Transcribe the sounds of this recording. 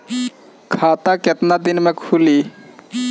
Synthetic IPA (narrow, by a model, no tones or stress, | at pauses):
kʰaːt̪aket̪nad̪inmẽkʰuli